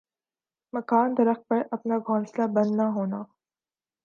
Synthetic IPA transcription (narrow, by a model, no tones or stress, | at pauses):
mɐkaːnd̪ɐɾəx̚pɐɾɐpnaɡʱɔ̃ːnslabɐnːaɦoːnaː